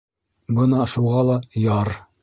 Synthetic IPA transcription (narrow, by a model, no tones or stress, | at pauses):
bɤnɑʃuʁɑlˠɑjɑɾ